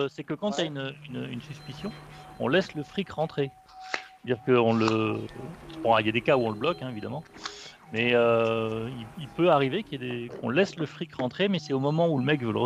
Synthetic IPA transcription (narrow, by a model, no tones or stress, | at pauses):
sɛkəkɑ̃t̪aynøynynsyspisjɔ̃ɔ̰̃lɛsləfχikʁɑ̃t̪χe | t̪ad̪iʁkəɔ̃lə̥ | pɔ̃ailjad̪ekauɔ̃ləblɔkɛ̃evid̪amɑ̃ | mɛøililpøaʁivekʲiɛd̪ekʰɔ̰̃lɛsləfχikʁɑ̃t̪χemɛsɛomɔmɑ̃uləmɛkvøləʁə